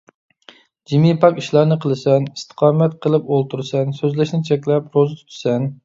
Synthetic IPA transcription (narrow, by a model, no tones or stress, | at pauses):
d͡ʒimipʰɑkʲiʃlˠɑɾnɨqʰəlˠɨsɛnist̪ʰə̥qʰɑːmɛt̪̚qʰəlˠɨpolˠt̪ʰuɾsɛnsøzlɪʃnɪt͡ʃʰɛkʲlɛpɾozɨt̪ʰy̥t̪ʰy̥sɛn